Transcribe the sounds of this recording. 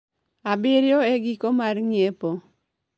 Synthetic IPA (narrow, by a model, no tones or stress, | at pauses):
abɪɾjoeɡikomarŋjepo